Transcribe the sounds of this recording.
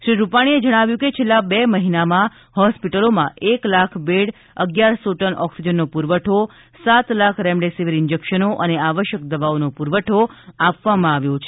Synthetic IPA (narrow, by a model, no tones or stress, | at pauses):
ʃɾiɾupaɽ̃ied͡ʒəɽ̃aʋjũket͡ʃʰelːabeməɦinamã | hɔspiʈəlomã̰ʔeklakʰbeɽ | əɡjaɾsoʈənʔɔksid͡ʒənːopuɾʋəʈʰo | sat̪lakʰɾɛmɖesiʋiɾɪɲd͡ʒekʃənoʔəneaʋəʃjək̚d̪əʋaonopuɾʋəʈʰoapʋamãaʋjot͡ʃʰe